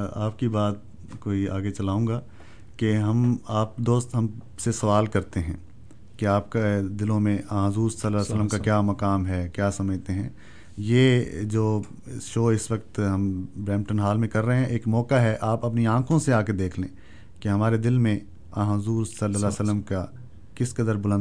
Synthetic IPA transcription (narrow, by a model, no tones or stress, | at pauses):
aːp̚kibaːt̪̚ | koːiaːɡet͡ʃɐlaːũːɡaː | keɦɐmaːp̚d̪oːst̪ɦɐm | sesɐʋaːlkɐɾt̪eɦɛ̃ː | keaːp̚ked̪ɪlõmẽãːɦʊzuːɾsɐlːəlːsələmkakjaːmɐkaːmɦɛkjaːsɐməd͡ʒt̪eɦɛ̃ː | jeːd͡ʒoː | ʃoːɪsʋɐk̚t̪ɦɐmbɾɛ̃ːmʈənɦaːlmẽkɐɾːɐɦeɦɛ̃ʔeːkmɔːkaɦɛʔaːpɐp̬niãːkʰõseaːked̪eːkʰlẽː | keɦɐmaːɾed̪ɪlmẽ | ãːɦɦʊzuːɾsɐlːəlɛːsəlːəmka | kɪskɐd̪əɾbʊlə̃n